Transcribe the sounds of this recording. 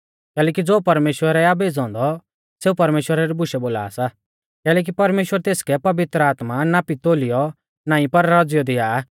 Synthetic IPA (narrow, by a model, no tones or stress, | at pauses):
kɛːlɛːkid͡zoːpɐɾmeːʃwəɾɛabeːd͡zɔ̃ːnd̪ɔ | seːupɐɾmeːʃwəɾaɾibʊʃɛboːla̰ːsa | kɛːlɛːk̬ipɐɾmeːʃwəɾt̪eːskɛpɐʋɪt̪ɾəaːt̪manapit̪oːlijɔ | naːĩpɐɾɾɔd͡zjɔd̪ɪaː